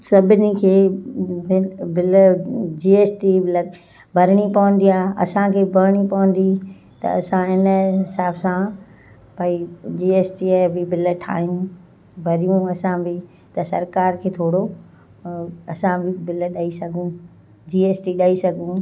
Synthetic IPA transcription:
sɐbʱɪnikʰeːbɪbɪld͡ʑiːeːsʈilɐ | bʱɐɾɪɽ̃ipɐʋə̃n̆d̪iaːɐ̰sãkʰeːbʱɐɾɽ̃ipɐʋə̃n̆d̪i | t̪ɐ̰ɐsãɦɪnəɦɦɪsaːbsã | paːid͡ʑiːeːsʈiebɪbɪlə̆ʈʰa̰ːɦijũ | bʱɐɾijũɐsãbɪ | t̪ɐsɐɾkaːɾkʰeːt̪ʰoːɽo | ɐsãbɪbɪlɗaːisɐɡʱũ | d͡ʑiːeːsʈiɗaːisɐɡʱũ

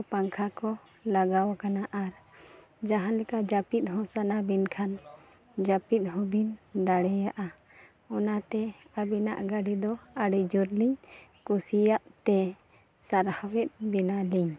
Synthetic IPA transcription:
paŋkʰakɔ | laɡawkanaʔaɾ | d͡ʒaɦãlɛkad͡ʒapit̪̚ɦɔ̃sanabinkʰan | d͡ʒapit̪̚ˀɦɔ̃bind̪aɽɛjaʔa | ɔnat̪ɛ | abina̰ʔɡaɖid̪ɔaɖɛd͡ʒuɾliɲkusijaʔt̪ɛ | saɾhawɛt̪̚ˀbɛnaliɲ

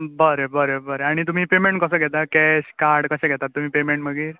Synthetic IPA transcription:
bəɾebəɾebəɾeaɽ̃it̪um̤iːpemeɳʈkəsəːɡʱɛt̪akɛɕkaɾɽkəɕɛ̃ɡʱɛt̪at̪ːum̤iːpemeɳʈməɡiːɾ

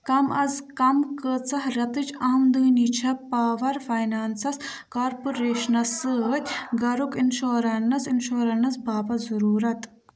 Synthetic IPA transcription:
kɐmɐzkɐmkət͡sɐɦɾʲɐt̪ɨt͡ʃʰaːmd̪ɨːnit͡ʃʰɐpaːʋɐɾfɐjnaːnsɐskaːɾpuɾeːʃɐnɐsɨt̪ʲɡɐɾukinʃoːɾɐnɐsinʃoːɾɐnɐsbʱaːpɐzɐɾuːɾɐt̪

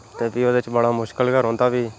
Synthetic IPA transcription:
t̪eːbiːoːd̪eɪt͡ʃbəɽaːmʊʃkəlɡəɾɦɔ̃ːnd̪aːbiː

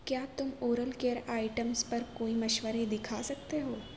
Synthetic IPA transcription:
kjaːt̪ʊmoːɾəlkeəɾaːɪʈəmspɐɾkoːimɐʃʋəɾed̪ɪkʰasɐk̚t̪eɦoː

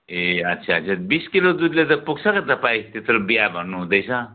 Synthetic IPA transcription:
eʌt̪ːsʰasʰabiskilod̪ud̪let̪ʌpuɡt͡sʰʌkat̪ʌpaĩt̪et̪ɾobijabʱʌnːuɦũd̪ʌjt͡sʰʌ̃

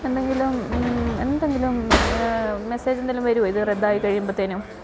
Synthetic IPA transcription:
e̞nd̪eŋɡilume̞̰nd̪eŋɡilum | meseːd͡ʑenːilumʋɐɾuɐiðɨred̪ːaːjikɐɻijumbot̪ːeːnum

